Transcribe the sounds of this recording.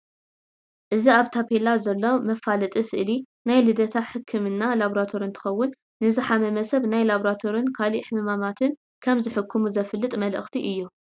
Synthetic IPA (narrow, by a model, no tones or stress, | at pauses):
ʔɨziaβt̪ʰapʰelazɐlːo̞mɐfalɨt̪ʼisɨʔɨli | najlɨd̪ɐt̪ʰaħɨkʰːɨmɨnːalaβɾat̪ʰoɾint̪ʰɨ̥xɐwːʊnː | ɨzɨħamɐmɐsɐβnajlaβɾat̪ʰo̞ɾinkʰaliħɨmɨmamat̪ʰɨn | kʰɐmzɨħɨkʰːɨmuzɐflːɨt̪ʼmɐlʔɨ̰xt̪ʰiʔɨjːu